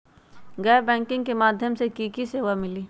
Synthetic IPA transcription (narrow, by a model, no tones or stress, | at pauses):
ɡɛːbɛ̃ːŋkɪ̃ŋɡ̚kemaːd̪ʱjəmsekikiseːʋamɪliː